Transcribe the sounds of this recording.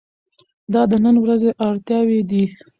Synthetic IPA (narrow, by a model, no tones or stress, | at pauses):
d̪ɑd̪ənənwɾazeʔɑɽt̪jɑwed̪i